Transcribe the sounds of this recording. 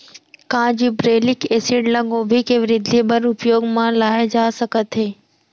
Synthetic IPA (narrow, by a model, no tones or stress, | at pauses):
kãːd͡ʒibɾeːlɪkeːsɪɖlɐ̃ŋɡõbʱikeʋɪɾɪd̪ʱibəɾʊpjoːɡmãlaːjd͡ʒaːsɐkət̪ɦeː